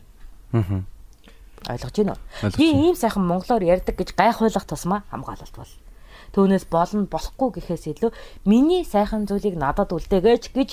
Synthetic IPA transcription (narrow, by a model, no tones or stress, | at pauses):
ɦ | ɔ̰j̆ɮɞ̆qt͡ɕiːnʊ̰ːiːiːmsæːχʲə̆mːɔɴɢɞ̆ɮoːrjærʲt̪ə̆k̚ɡet͡ɕɢæːχʊ̟ːɮə̆χt̪ʰʊsmaːχa̰mɢa̰ːɮə̆ɬt̪pɔ̰ɮ | t̪ʰuːneːspɔɮɞ̆npɔɮɞ̆χɡujɡixeːseɮŭːminiːsæːχə̆nt͡sujɮiːknat̪ə̆t̪uɮt̪eːɣeːt͡ɕʰɡ̥et͡ɕ